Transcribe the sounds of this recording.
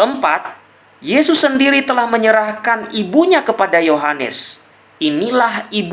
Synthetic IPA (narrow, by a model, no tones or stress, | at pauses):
əmpat̪̚ | jesʊsːəndiɾit̪əlahməɲəɾahkanibuɲakəpadajoɦanə̰s | inilahib